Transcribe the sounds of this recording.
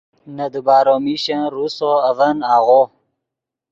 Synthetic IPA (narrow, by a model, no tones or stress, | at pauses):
nɐd̪ubaːɾomiɕãɾusoɐvɐnaːɣo